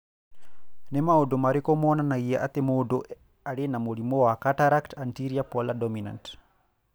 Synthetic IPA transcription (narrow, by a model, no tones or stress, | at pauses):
nɛmaɔdɔmaɾikɔmɔnanajijaʔat̪ɛmɔdɔ | aɽɛnamolimɔwakataɾaktantiɾiapɔladɔmina̰nt